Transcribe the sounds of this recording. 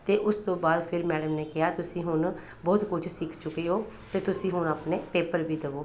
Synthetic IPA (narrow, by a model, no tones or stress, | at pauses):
t̪eːʔʊst̪õːbaːd̪pʰɪɾmɛːɖəmneːkɪjaːt̪ʊsĩːɦʊn | bɔːt̪kʊt͡ʃʰsɪkʰt͡ʃʊkeːɦoː | t̪eːt̪ʊsĩːɦʊnəpneːpeːpəɾbiːd̪əʋoː